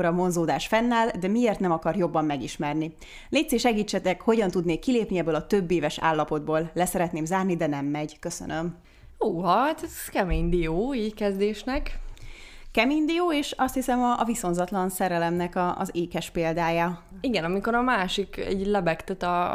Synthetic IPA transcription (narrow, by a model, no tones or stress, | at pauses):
oɾɒmo̞nzoːd̪aːʃfɛnːaːld̪ɛmieːrt̪nɛmɒkɒrjo̞bːɒmːɛɡiʃmɛrni | neːt̪seʃɛɡiːt͡ʃːɛt̪ɛkho̞ɟɒnt̪ud̪neːkːileːpniɛbːøːlɒt̪ø̞bːeːvɛʃa̰ːlːɒpo̞d̪̚boːllɛsɛɾɛt̪neːmzaːrnid̪ɛnɛmːɛɟkøsø̰nø̞m | oːɦɒt̪ɛzkɛmeːɲd̪ioːiːɟkɛzd̪eːʃnɛk | kɛmend̪ioːeːʃɒst̪hisɛmɒviso̞nzɒt̪lɒnsɛɾɛlɛmnɛkɒ̰zeːkɛʃpeːld̪aːja | iɡɛnɒmiko̞ɾɒmaːʃikɛ̰ɟlɛbɛkt̪ɛt̪ɒ